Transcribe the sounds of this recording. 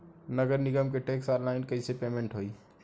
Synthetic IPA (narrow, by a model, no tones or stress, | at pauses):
nəɡəɾniɡəmkeʈeksɔllaɪnkəisepemẽɳʈɦoi